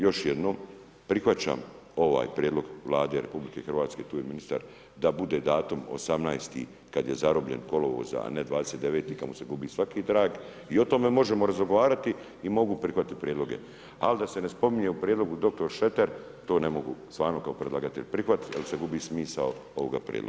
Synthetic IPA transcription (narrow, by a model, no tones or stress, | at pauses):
jo̞ʃjed̪no̞ːm | pɾixʋat͡ɕa̰ːm | o̞ʋa̰ːjpɾjed̪lo̞ɡʋlˠaːd̪e̞ɾe̞publike̞xrʋaːt̪sket̪uːjeminist̪a̰ɾ | d̪abud̪e̞ːd̪aːt̪umo̰samnaːjst̪ḭː | kad̪jezaɾobʎe̞̰nko̞loʋo̰za̰a̰ned̪ʋaːd̪eset̪d̪e̞ʋeːt̪iːkamoseɡubiːsʋakiːd̪ɾaːɡ | io̞t̪o̞me̞mo̞ʒemoɾazoɡoʋaːɾat̪i | imo̞ɡupɾixʋat̪ipɾʲjed̪lo̞ɡḛ | a̰lid̪ase̞nespo̞miɲe̞upɾjed̪lo̞ɡud̪o̞k̚t̪o̞ɾʃe̞t̪eɾ | t̪o̞ːne̞mo̞ɡṵst̪ʋaːɾno̞kaopɾed̪lˠaɡat̪ḛʎpɾixʋat̪jelseɡubiːsmiːsaoo̞ʋoɡa̰pɾʲjḛd̪lo̰ɡa